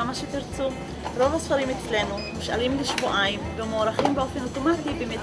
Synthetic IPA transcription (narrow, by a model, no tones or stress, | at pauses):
amaʃetiɾt͡su | ɾo̞vasfaɾimet͡sle̞numuʃa̰limliʃvoʔaimvemoːɾaχimbeo̞fe̞noto̞matibemet